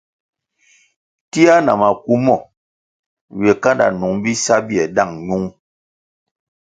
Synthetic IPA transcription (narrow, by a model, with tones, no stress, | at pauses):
ti˦a˦na˨ma˨ku˦mɔ˨ | ɥɛ˨ka˦nda̰˨nu˨˦ŋbi˦sa˦bi˦ɛ˨da˦˨ŋɲu˦ŋ